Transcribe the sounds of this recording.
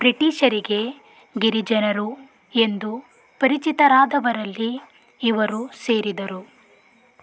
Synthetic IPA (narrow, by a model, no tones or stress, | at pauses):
bɾiʈiːʃɐɾiɡe̞ | ɡiɾid͡ʒɐnɐɾu | e̞nd̪u | pɐɾit͡ʃit̪ɐɾaːd̪ɐʋɐɾɐlːiː | ʋɐɾuse̞ːɾid̪ɐɾu